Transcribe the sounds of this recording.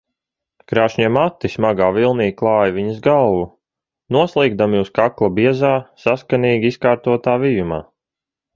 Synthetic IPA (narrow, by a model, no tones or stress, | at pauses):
kɾaːʃɲɛmat̪ːismaɡaːvilˠniːklˠɑːjaviɲəzɡalˠvu | nuɔslˠiːɡd̪amjuːskaklˠabiɛzaːsaskaniːɡʲiiskaːɾt̪uɔt̪aːvijuma̰ː